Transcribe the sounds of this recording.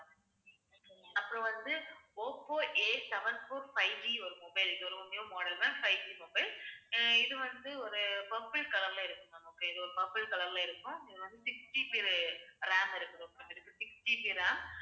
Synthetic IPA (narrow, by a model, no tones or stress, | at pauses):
ɐpːɯɾɔ̃ʋɐnd̪ɯoːpːoːʔeːsɛʋɐnfoːɾfɐɪɖiɔɾɯmɔːbɐɪlkːɯɔɾɯmɐnːjõmoːɽɐlnãːnfɐɪɖiːmoːbɐɪlɪðɯʋɐnd̪ɯɔɾɯpɐpːɪɭkɐlɐɾlaːɪɾɯkːʊ̃nɐmɐkːɐɪðɯɔɾɯpɐpːɪɭkɐɭɐɾlaːɪɾɯkːʊ̃ɪðɯʋɐnd̪ɯsɪksʈipiɾɾaːmɪɾɯkːɯɾɯɔpːɐt̪ːɪɾɯkːsɪksʈipiɾaː